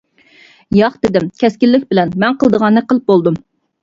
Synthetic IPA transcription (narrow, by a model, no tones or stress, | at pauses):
jɑχd̪ɪd̪ɪmkʲʰɛskʲilːɪk̚ʲbɪlɛnmɛnqʰəlˠd̪əʁɑnːɨqəlˠp̚bolˠd̪um